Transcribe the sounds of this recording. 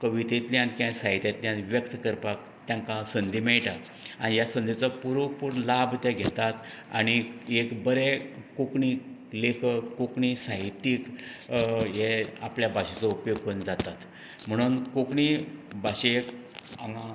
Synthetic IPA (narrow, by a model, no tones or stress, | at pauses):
kəʋit̪et̪ljãnkjãsaɦit̪jat̪ljãnʋjəkt̪kəɾpak | t̪jãŋkãsənd̪imeɭʈa | a̰ɽ̃ijasənd̪it͡sɔpuɾokpuːɾlabt̪ɛ̃ɡʱɛt̪at̪a̰ɽ̃iekbəɾekokɳiːk | lekʰəkokɳisaɦit̪ːiːk | ɦea̰pljabʱaɕit͡sɔupjoɡkond͡zat̪at̪ | m̤əɽ̃uːnkokɳibʱaɕeekaŋa